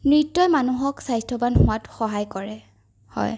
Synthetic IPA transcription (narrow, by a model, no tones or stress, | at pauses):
nɹitːɔjmanuɦɔksajstʰɔbanxʊatxɔɦajkɔɹɛ | hɔ̰j